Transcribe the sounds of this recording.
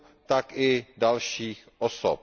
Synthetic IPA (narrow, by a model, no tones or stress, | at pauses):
t̪akɪdalʃiːxʔoso̰p̚